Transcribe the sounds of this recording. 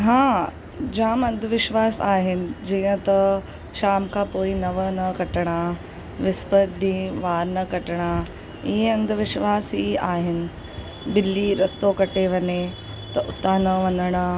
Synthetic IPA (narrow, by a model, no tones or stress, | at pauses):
ɦãː | d͡ʑaːmɐ̃nd̪ʱʋɪʃʋaːsaːɦɪnɪ̆d͡ʑĩːə̃t̪ɐ | ʃaːmkʰãːpoːinɐʋənɐkɐʈəɽ̃a | ʋɪspəɾɖ̪ĩːʋaːɾnɐkɐʈɽ̃a | ɪɦeɐ̃nd̪ʱʋɪʃʋaːsiaːɦɪnɪ̆ | bɪlːiɾɐst̪okɐʈeʋɐɲe | t̪ɐʔʊt̪anɐʋɐnəɽ̃a